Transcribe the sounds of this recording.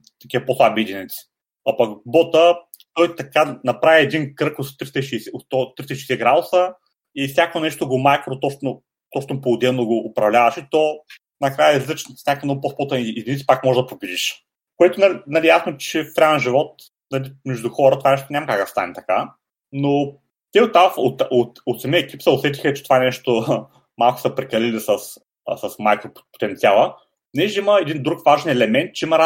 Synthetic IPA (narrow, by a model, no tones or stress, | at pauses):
t̪ɐkʲiɐposlˠabiːd̪init̪si̥ | ɐpɐkbɔt̪ə | t̪ɔjt̪ɐkanɐpɾavʲiɛd̪inkɾɤkot̪t̪ɾist̪əiʃiisɛoɔt̪ːɾist̪əʃi̥ːsɛɡɾad̪ʊsə | ifsʲjakvonɛʃt̪oɡomajkɾot̪ɔno | t̪ɔʃt̪poʊd̪ɛnoɡoʔːpɾɐvlʲavɐʃit̪ɔ | nɐkɾajəizlʲit͡ʃ̪ifnʲakvnɔɡʊposˠpot̪ɐid̪ʲinit̪i̥pakmɔʒɛd̪ɐpobid̪iʃ | koɛt̪ʊnalnɐlʲijasnot͡ʃɛfɾʲaɛnʒivɔt̪̚ | nɐlimɛʒd̪ʊxɔɾət̪ovanɛʃt̪ʊnʲamɐkak̚d̪ɐst̪a̰nʲɛt̪ɐka | no | t̪ɛot̪ːafot̪ot̪ot̪sɐmiəɛkipsəʊsɛt̪i̥xɐt͡ʃɛ̥t̪ovanɛʃt̪o | malˠkʊ̥sɐpɾɛkɐlilisəs | sɐsmajkvoppo̥t̪ɛnt̪sialˠə | nɛʒɛiməɛd̪ind̪ɾukvaʒɛnɛlɛmɛnt̪̚t͡ʃɛimɐɾa